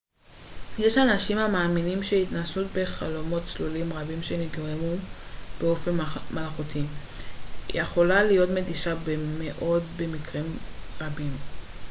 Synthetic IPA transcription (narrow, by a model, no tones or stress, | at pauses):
je̞ʃanaʃimhamaːminimʃeitnasutbe̞χa̰lo̞mo̞tt͡slulimʁabimʃe̞niɡʁemub̥e̞o̞fe̞nmalχutḭ | jeχo̞lalijo̞tmediʃabeme̞ʔo̞dbe̞mikʁimʁabim